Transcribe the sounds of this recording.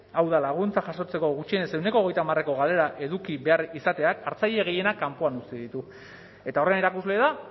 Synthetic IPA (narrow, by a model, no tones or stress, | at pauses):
awðalaɣ̞unt͡saʝaʃo̞t͡se̞ko̞ɣut͡ʃienese̞wnekoːɣ̞e̞jt̪amare̞ko̞ɣ̞ale̞ɾaʔe̞ðukiβe̞aɾisat̪e̞akaɾt͡sajʎe̞ɣ̞eje̞nakampoanust̪eðit̪u | e̞t̪ao̞reneɾakuzle̞ða